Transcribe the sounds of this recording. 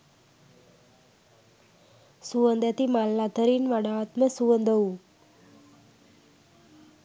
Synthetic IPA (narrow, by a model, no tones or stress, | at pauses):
suʋənd̪ɛt̪imalːad̪ʱəɾinʋaɽat̪məsuʋənd̪əu